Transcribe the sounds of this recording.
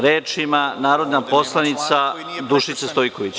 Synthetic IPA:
ɾeːt͡ʃimanaːɾo̞d̪napo̞slˠanit̪sa | d̪uʃisest̪ojko̞ʋit͡ɕ

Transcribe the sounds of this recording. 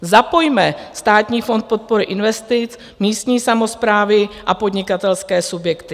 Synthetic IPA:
zapo̞jmɛst̪aːt̪ɲiːfo̞nt̪̚po̞t̪̚po̞ɾɪʔɪnvɛst̪ɪt͡s | miːst̪ɲiːsamo̞spɾaːvɪʔapo̞dɲɪkat̪ɛlskɛːsubjɛkt̪ɪ̥

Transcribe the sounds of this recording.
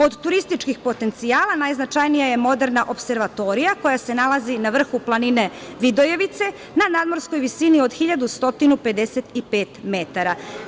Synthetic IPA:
o̞d̪t̪uɾist̪it͡ʃkixpo̞t̪e̞nt̪sijaːlanajznat͡ʃajnijaje̞mo̞d̪e̞ɾnaʔo̞pse̞ɾʋat̪o̞ɾijako̞jase̞nalˠazinaʋr̩xuplˠanine̞ʋid̪o̞je̞ʋit̪se̞ | nanad̪mo̞ɾskojʋisinio̞d̪xiʎad̪ust̪o̞t̪inupe̞d̪e̞set̪ipeːt̪me̞t̪aɾa

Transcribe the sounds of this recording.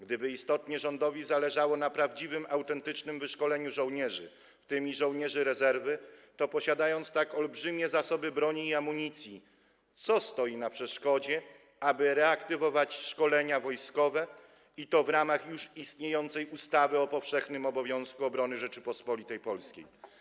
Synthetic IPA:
ɡd̪ɘbɘist̪ɔt̪ɲɛʐɔnd̪ɔvʲizalɛʐawɔnapɾavd͡ʑivɘmʔawt̪ɛnt̪ɘt͡ʂnɘmvɘʂkɔlɛɲuʐɔ̃wɲɛʐɘ̰ | ft̪ɘmʲiʐɔ̃wɲɛʐɘɾɛzɛɾvɘt̪ɔpɔɕad̪ajɔnt̪st̪akɔlbʐɘmʲɛzasɔbɘbɾɔɲiːamːuɲit̪sʲji | t̪sɔst̪ɔjinapʂɛʂkɔd͡ʑɛ | abɘɾɛakt̪ɘvɔvat͡ɕʂkɔlɛɲavɔjskɔvɛ | it̪ɔvɾamaxjuʂist̪ɲejɔnt̪sɛjust̪avɘɔpɔfʂɛxnɘmɔbɔvʲjɔ̃w̃skuɔbɾɔnɘʐɛt͡ʂɘpɔspɔlʲit̪ɛjpɔlskʲḛj

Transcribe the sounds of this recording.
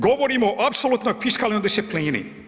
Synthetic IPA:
ɡoʋoɾimoʔapsolˠut̪nojfiʃkalˠniod̪isipliːnḭ

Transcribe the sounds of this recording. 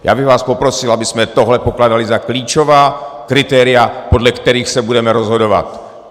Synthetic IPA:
ja̰ːbɪɣvaːspo̞pɾosɪlabɪsmɛt̪oɦlɛpoklaːdalɪzakliːt͡ʃovaːkɾɪt̪ɛːɾɪapo̞dlɛkt̪ɛɾiːxsɛbudɛmɛɾozɦodo̞va̰t̪

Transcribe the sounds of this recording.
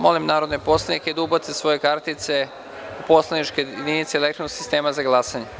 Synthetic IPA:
mo̞limnaːɾod̪nepo̞slˠenikeid̪ubat̪esʋo̞jekaɾt̪it̪se | upo̞slenit͡ʃked̪init̪seeːlekt̪ɾonoɡ̥si̥st̪e̞ːmazaɡlˠasaɲe

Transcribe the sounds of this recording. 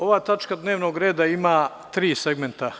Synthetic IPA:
o̞ʋaːt̪at͡ʃkad̪ne̞ːʋno̞ɡɾe̞ːd̪aimaː | t̪ɾiːse̞ɡme̞nt̪a

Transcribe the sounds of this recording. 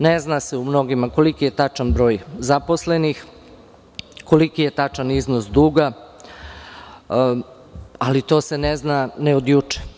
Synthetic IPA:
neznase̞umno̞ɡimako̞likije̞t̪at͡ʃanbɾo̞ːjzaposle̞nix | ko̞likije̞t̪at͡ʃaniznosd̪uːɡa | alit̪o̞ːse̞neznaneo̞d̪jut͡ʃe̥

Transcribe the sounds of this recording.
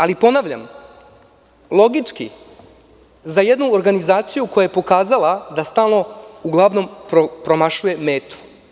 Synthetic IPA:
alipo̞naʋʎa̰m | lˠo̞ɡit͡ʂki | zajed̪nuoɾɡanizaːt̪sijuko̞jajepo̞kaːzalˠad̪ast̪aːlˠno̞uɡlˠaʋno̞mpɾopɾo̞maʃuje̞meːt̪u̥

